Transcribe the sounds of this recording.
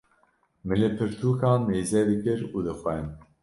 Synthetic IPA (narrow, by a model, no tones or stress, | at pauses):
mɨlɨpʰɨɾt̪ʰuːkʰɑːnːeːzɛd̪ɨkɨɾud̪ɨxʷɛn